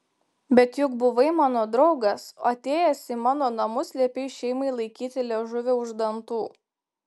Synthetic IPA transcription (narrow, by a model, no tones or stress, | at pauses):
bʲɛt̪jʊkbʊʋɐɪmɑːnoːd̪ɾɒʊɡɐsoɐt̪ʲeːjɛsʲɪmɑːnoːnɐmʊsʲlʲɛpʲɛɪʃʲɛɪmɐɪlˠɐɪkʲiːt̪ʲɪlʲɛʒʊʋʲeʊʒd̪ɐnt̪uː